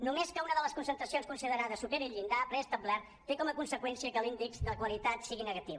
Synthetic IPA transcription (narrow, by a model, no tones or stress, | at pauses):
numeskəunəðələskunsənt̪ɾəsionskunsiðəɾaðəsupeɾiʎind̪apɾɛəst̪əblɛɾ | t̪ekɔməkunsəkwɛnsiəkəlind̪ikzðələkwəlit̪at̪siɣinəɣət̪iβ